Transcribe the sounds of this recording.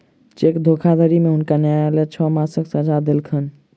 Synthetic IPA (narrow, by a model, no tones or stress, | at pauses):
t͡ʃekd̪ʱokʰad̪ʱəɾimeɦunkanaelɛt͡ʃʰɔmãsəksəd͡ʒʱad̪elkʰən